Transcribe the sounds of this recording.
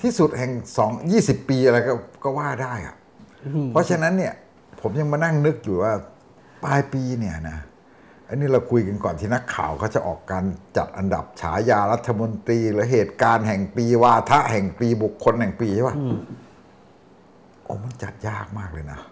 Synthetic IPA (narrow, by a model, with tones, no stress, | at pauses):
t̪ʰiː˥˩su˨˩t̪̚hɛ˨˩ŋsɔː˩˦ŋjiː˥˩si˨˩pːiː˧ʔa˧ɾa˧jkɔ˥˩kɔː˥˩waː˥˩daː˥˩jʔa̰˨˩ʔ | pʰɔ˦˥t͡ɕʰa˧na˦˥nːi˥˩ɐ | pʰo˩˦mja˧ŋmaː˧na˥˩ŋnɯ˦˥k̚juː˨˩waː˥˩ | paː˧jpiː˧ni˥˩ɐna˦˥ | ʔa˧niː˦˥˩ɾa˧wkʰu˧jka˧nkɔː˨˩nt̪ʰiː˥˩na˦˥kʰːa̰ː˨˩wkʰaː˥˩wt͡ɕa˨˩ʔɔ̰ː˨˩kːaː˧nt͡ɕa̰˨˩t̪̚ʔa˧nda̰˨˩p̚t͡ɕʰa̰ː˩˦˥jaː˧ɾa˦˥t̪ʰːa˧mo˧nt̪ɾiː˧lɯː˨˦ɦeː˨˩t̪̚kaː˧nɦɛ˨˩ŋpiː˧waː˧t̪ʰa˦˥ʔhɛ˨˩ŋpiː˧bu˨˩kʰːo˧nhɛ˨˩ŋpiː˧t͡ɕʰːwa˥˩ | ʔo̰ː˧˩ma˧˥˩nt͡ɕa̰˨˩t̪̚jaː˥˩k̚maː˥˩k̚lɤː˧jna˦˥